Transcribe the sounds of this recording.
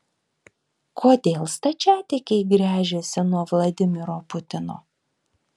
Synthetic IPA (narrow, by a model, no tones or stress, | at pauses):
kʰoːd̪ʲeːlˠst̪ɐt͡ʃʲæːt̪ʲɪkʲɛɪɡɾʲæːʒʲesʲɪnuɔʋlˠɐd̪ʲɪmʲɪɾoːpʊt̪ʲɪno̰ː